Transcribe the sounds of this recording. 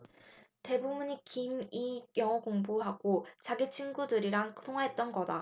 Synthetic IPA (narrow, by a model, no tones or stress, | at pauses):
te̞bubuɲikimijʌŋʌkoŋboɦaɡ̥ot͡ɕaɡit͡ɕʰinɡudɯɾiɾaŋkɯtʰoŋɦaɦet̚t͈ʌnɡʌda